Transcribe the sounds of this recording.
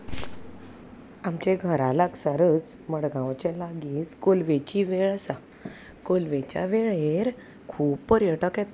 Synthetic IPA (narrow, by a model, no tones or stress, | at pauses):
amt͡ɕeɡʱəɾalaksaɾət͡s | məɽɡãwt͡ɕɛ̃laɡiːt͡skolʋet͡ɕiʋeɭəsa | kolʋet͡ɕja̰ʋeɭeɾ | kʰuːbpəɾjəʈəkɛt̪